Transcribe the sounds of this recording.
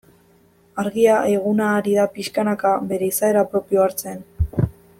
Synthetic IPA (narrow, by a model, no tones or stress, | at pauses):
aɾɣiaʔe̞ɣ̞unaːɾiðapiʃkanakaβe̞ɾe̞isae̞ɾapɾo̞pio̞aɾt͡se̞n